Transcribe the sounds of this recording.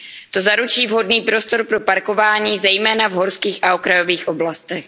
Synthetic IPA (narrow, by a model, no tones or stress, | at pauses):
t̪o̞zaɾut͡ʃiːvɦo̞dniːpɾo̞st̪o̞ɾpɾo̞paɾko̞vaːɲiːzɛjmɛːnavɦo̞ɾskiːxʔaokɾajo̞viːxʔo̞blast̪ɛx